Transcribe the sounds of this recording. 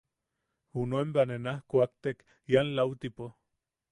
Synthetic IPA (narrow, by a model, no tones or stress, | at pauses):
unoembanenahkoak̚t̪ek | janlawt̪ipo